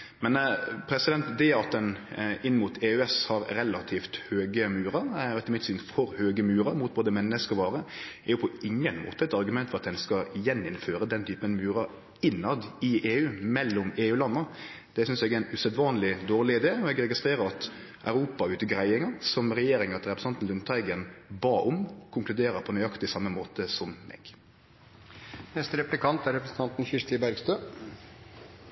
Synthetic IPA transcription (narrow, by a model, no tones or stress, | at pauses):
mɛnpʰɾɛsɪd̪ɛnt̪d̪eːɑt̪̚d̪ɛnɪnːmuːt̪ʰeːʉɛshɑɾɾɛlɑt̪ʰiːft̪høːɡəmʉːɾɑɾɛt̪əɾmɪt̪syːnfɔɾhøːɡəmʉːɾɑmʊt̪̚boːd̪əmɛnːəskɔʋɑːɾəɛjʊpʰɔɪŋːənmo̰ːt̪əɛt̪ɑɾɡʉmɛnt̪fɔɾɑt̪̚d̪ɛnskɑjɛnːɪnføːɾəd̪ɛnt̪ʰyːpənmʉːɾɑ | ɪnlɑd̪ɪʔeːʉːmɛlːʊmeːʉːlɑnːə | d̪̥ɛsʏnsɛːɡɛæɪnʉsɛd̪ʋɑːnlɪd̪oːʁlɪɪd̪eːɔɛɡɾɛɡɪst̪ɾeːɾəɾɑt̪ | ʔɑʉɾuːpɑʉːt̪əɡɾæɪɪŋəsɔmɾɛjeːɾɪŋɑt̪ɾɛpɾɛsɑnt̪n̩lʉnt̪ʰɑɪɡənbɑːʔʊmkʰʊŋklʉd̪eːɾəpʰɔnœʏɑkt̪ɪsɑmːəmoːt̪əsɔmːɛ̰ːɡ̥ | nɛst̪əɾɛplɪkʰɑnt̪æɾɛpɾəsn̩t̪ɑnt̪n̩çɪʂt̪ɪbæɾɡst̪øː